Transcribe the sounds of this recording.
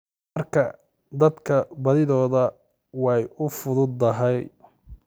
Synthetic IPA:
mɐrkʰɐ | d̪ɐd̪kʰɐbɐðɪðɔːðɐ | wɑjʊfʊðʊd̪ːɐɦɛj

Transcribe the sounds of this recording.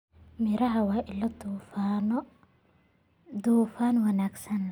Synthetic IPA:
mɪɾɐɦɐwɑːʔɪlɐd̪un | d̪uːfaːnwɑnaːɡsɐn

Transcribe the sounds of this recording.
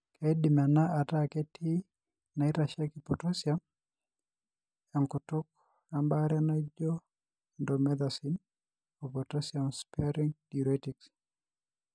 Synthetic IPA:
keidimanaʔatakɛtʰi | naiɾaʃakipɔtɔsjam | jaŋkutʊk̚ | ambaɾjanad͡ʒɔ | ndɔmɛðasin | opɔtɔsamspɛɾiŋdiɾɔtiks

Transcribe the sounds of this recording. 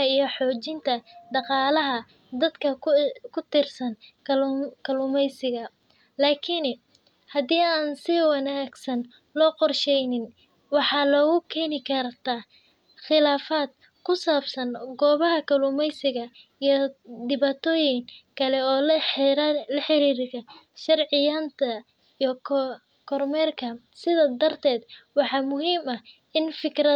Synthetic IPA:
ɐijɞħɔːt͡ʃɪnt̪ʰɐɖ̪ɑqɑːlɐɦɐ | d̪ɐd̪kʰɐkʰʊt̪ʰɪrsɐn | kʰɐluːmɛjsɪɣɐ | laːkʰɪnɛ | hɐdiːaːnsɪwɑnaːɡsɐn | lɔːqɔrʃɛjnɪn | wɑħɑːlɔːɣʊkʰɛːnɪkʰɐrt̪ʰaː | χɪlaːfaːd̪̚ | kʰʊsaːbsɐnɡɔːβɐɦɐkʰɐlumɛjsɪɣɐ | ijɔd̪ɪβaːt̪ʰɔːjɪŋkʰɐlɛɔː | lɐħɪɾiːɾkɐʃɐrʕɪjant̪ʰɐ | iːk | kʰɔrmɛrkʰɐ | sɪðaːd̪ɐrt̪ʰɛːd̪wɑħɑːmʊɦiːmɐ | ɪnfɪkrɐ

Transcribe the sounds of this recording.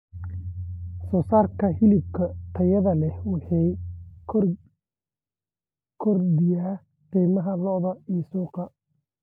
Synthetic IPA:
sɔːsaːrkʰɐhɪlɪb̚kʰɐt̪ʰɐjɐðɐlɛwɑħiːkʰ | kʰɔrd̪ɪjaː | qɛːmɐɦɐlɔðɐijsuːqɑ

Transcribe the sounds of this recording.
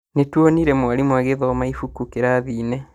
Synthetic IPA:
netwoniɾɛmwaɾimwaɣeðɔːmaifukukeɾaðiːnɛ

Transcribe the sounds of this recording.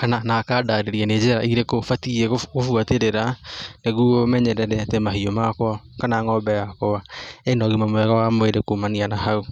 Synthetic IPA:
kananakadaɾeɾianed͡ʒɛɾaiɾekofatiɛɣoɣofuateɾeɾaneɣuomɛɲɛɾɛɾɛatemaɦiomakwɔkanaːŋɔbɛjakowaenɔɣimamwɛɣawamweɾekomanianahau

